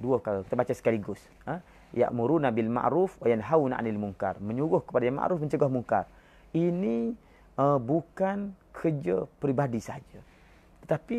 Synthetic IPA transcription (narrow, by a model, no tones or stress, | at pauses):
duəəkaɣakit̪əbat͡ʃasə̥kaliɡʊs | ə | ja̰ʔmuɾunabilma̰ʔɾufwajanɦawna̰ʔa̰nilmuŋka̰rməɲuɣʊhkə̥padajaŋma̰ʔɾufməɲt͡ʃəɡɔhmuŋkar | ini | əbukankʰəd͡ʒəpɾibadisaad͡ʒə | t̪ə̥t̪api